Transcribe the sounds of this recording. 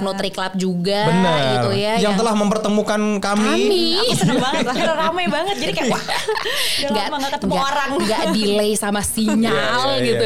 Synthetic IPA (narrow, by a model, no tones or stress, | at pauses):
not̪ɾikəlap̚d͡ʒuɡabənəɡirt̪ujajaŋt̪əlahməmpərt̪əmukankamimisəbaŋət̪akəɾramajbaŋət̪̚d͡ʒadikaa | ŋɡaʔəəŋɡɡaoɾaŋɡaʔdilejsamasiɲalɡit̪u